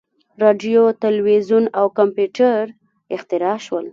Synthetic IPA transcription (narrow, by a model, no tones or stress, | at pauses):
ɾɑɖjot̪alwezunawkampjuʈaɾ | ɪxt̪ɪɾɑʃwəl